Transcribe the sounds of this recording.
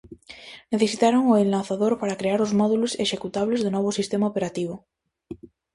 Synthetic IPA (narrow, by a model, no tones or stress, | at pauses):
neθesit̪aɾoŋoenlaθaðoɾpaɾakɾeaɾozmɔðuloseʃekut̪aβ̞lezðonɔβ̞osist̪emaopeɾat̪iβ̞o